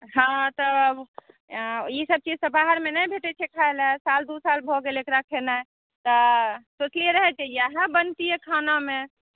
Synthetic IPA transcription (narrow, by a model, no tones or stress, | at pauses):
ɦãt̪ɔb | jisəb̚t͡ʃid͡ʒsəbaɦəɾmenəjbʱeʈɛt͡ʃʰɛkʰaelɛsald̪usalbʱoɡelekɾakʰenaj | t̪ɔsoslieɾəɦɛt͡ʃeijaɦɛbənt̪iekʰanamẽ